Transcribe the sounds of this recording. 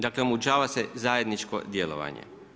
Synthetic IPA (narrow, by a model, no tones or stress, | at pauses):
d̪aklemut͡ʃaːʋase̞zaːje̞d̪nit͡ʃko̞̰d̪jelo̰ʋa̰ɲḛ